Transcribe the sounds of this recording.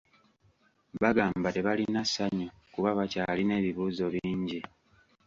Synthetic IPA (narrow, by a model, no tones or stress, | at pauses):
βaɡaːmbate̞βalinasaɲo | kuβaβacaːline̞ːβiβuːzo̞βiːɲɟi